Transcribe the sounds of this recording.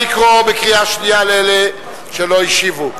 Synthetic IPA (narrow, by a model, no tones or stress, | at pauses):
ikʁobekʁiaʃnijalele | ʃeloiʃivu